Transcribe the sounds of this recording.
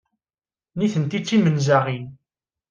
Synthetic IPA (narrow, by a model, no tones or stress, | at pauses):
niθənt̪it͡sːimənzaʁin